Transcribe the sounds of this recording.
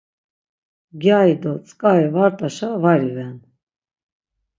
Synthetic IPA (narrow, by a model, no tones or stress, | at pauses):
ɡjaid̪ɔt͡sʼkʼaɛvaɾt̪ʼaʃavaɾivɛn